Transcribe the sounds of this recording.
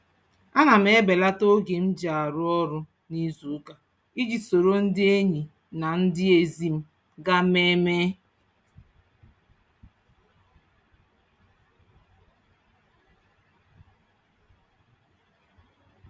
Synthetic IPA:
a˦na˨m̩˦e˦be˨la˦to˦ɡe˨m̩˦d͡ʒa˨ɾʊ˦ɔ˦ɾʊ˦ | ni˦zu˨˦ka˨ | i˦ɡi˨so˨ɾo˦n̩˦dɪ˦e˦ɲi˨ | na˨n̩˦dɪ˦e˨zi˨m̩˦ | ɡa˦me˦me˦

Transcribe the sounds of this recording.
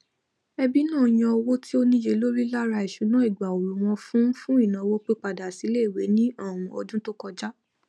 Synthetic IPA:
ɛ˧bi˦nãː˦˨j̃ã˧ɔ˧wo˦ti˦o˦nĩ˧je˧˦lo˦ɾi˦la˦ɾa˧i˨ʃu˨˦nã˦i˦˨ɡ͡ba˨o˨ɾu˨w̃ɔ̃˧fũ˦fũ˦i˦˨nã˨˧wo˦k͡pe˦k͡pa˨da˨si˨˦le˦i˦˨we˨˦nĩ˦a˦˨w̃ɔ̃˨ɔ̰˧dũ˦to˦kɔ˧d͡ʒa˦

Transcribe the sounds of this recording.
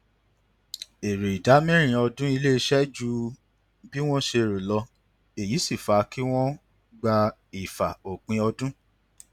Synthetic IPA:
e˨ɾe˨i˨da˨˦mĩ˦ɾ̃ĩ˧ɔ˧dũ˦i˧le˦i˧ʃɛ˦d͡ʒu˧ | bi˦w̃ɔ̃˦ʃe˧˨ɾo˨lɔ˧ | e˨ji˨˦si˦˨fa˨˦ki˦w̃ɔ̃˦ | ɡ͡ba˧ | i˨fa˨o˨k͡pĩ˧˦ɔ˧dũ˦

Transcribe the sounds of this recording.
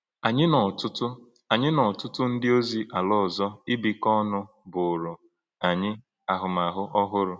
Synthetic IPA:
a˨ɲɪ˦nɔ˨tʊ˦tʊ˦ | a˨ɲɪ˦nɔ˨tʊ˦tʊ˦n̩˦dɪ˦o˦zi˦ʔa˨lɔ˦˨zɔ˦ɪ˦bi˨kɔ˦nʊ˦ | bʊ˨ɾʊ˨ | a˨ɲɪ˦ | a˨ɦʊ˨ma˨ɦʊ˦ʔɔ˦ɦʊ˦ɾʊ˨

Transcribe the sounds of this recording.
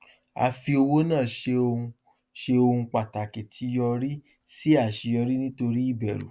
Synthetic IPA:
a̰˧fi˧o˧wo˦nãː˦˨ʃe˧o˧ũ˧ | ʃe˧o˧hũ˧k͡pa˨ta˨ke˨tʰi˨˧˦jɔ˧ɾi˦ | si˦a˦˨ʃi˨˧jɔ˧ɾi˦nĩ˦to˧ɾi˦i˦˨bɛ˨ɾṵ˨

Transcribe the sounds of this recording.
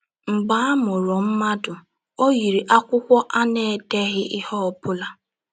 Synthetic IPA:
ŋ͡m̩˨ɡ͡ba˦a˦mʊ˨ɾʊ˨m̩˦ma˦dʊ˨ | o˦ɣi˨ɾi˨ʔa˦kʷʊ˦kʷɔ˦ʔa˦ne˨te˦ɦɪ˦ʔɪ˦hɔ˦ɔ˨pʊ˦la˦

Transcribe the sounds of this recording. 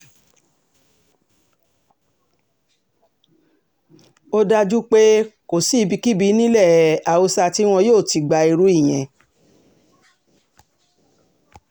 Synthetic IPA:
o˦da˧d͡ʒu˦k͡pe˦ko˨si˨˦˧bi˧ki˦bi˧˦nĩ˦lɛ˦˨a˨o˧sa˧ti˦w̃ɔ̃˧joː˦˨ti˧ɡ͡ba˧i˧ɾu˨˦i˦˨j̃ɛ̃˨

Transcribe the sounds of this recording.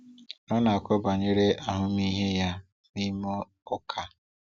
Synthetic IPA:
nɔ˦na˨a˨kʷɔ˦ba˨ɲe˦ɾe˦ʔa˦ɦʊ˦mi˦ɦe˦ja˦ | mi˦mɔ˦ | ɔ˦kʰa˦

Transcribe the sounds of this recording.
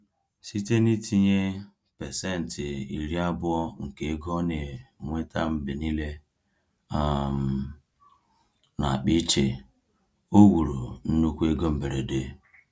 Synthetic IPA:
si˦te˦ni˦tʰi˦ɲe˦ | pɛ˨se˦n̩˨tɪ˨i˨ɾi˦a˦bʊ˦ɔ˦ŋ̩˨ke˨˦e˦ɡɔ˦ne˨ŋʷe˦ta˦m̩˦bɪ˨ni˦le˦ | a˦m̩˨ | na̰˨a˨k͡pi˦t͡ʃe˨ | o˦wu˨ɾu˨n̩˦nu˦kʷu˦e˦ɡo˦m̩˨be˨ɾe˨de˨˦

